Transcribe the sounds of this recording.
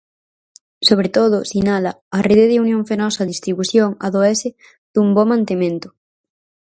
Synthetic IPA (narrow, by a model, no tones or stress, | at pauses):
soβ̞ɾet̪oðʊsinala | areðeðeunjõɱfenɔsaðist̪ɾiβuθjoŋa̰ðoɛse | d̪̥umbomãnt̪emẽnt̪ʊ̥